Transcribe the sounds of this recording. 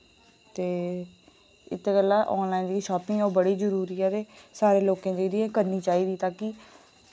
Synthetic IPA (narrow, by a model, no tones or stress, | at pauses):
t̪eː | ɪ̰t̪ʰːeːkəlːaːʔɔːnlaːind̪iːʃɔːpɪ̃ŋoːbəɽiːd͡ʒəɾuːɾiːɛːɾeːsaːɾeːloːkẽːd̪eːɾiẽːkəɾniːt͡ʃaːiːd̪iːt̪aːki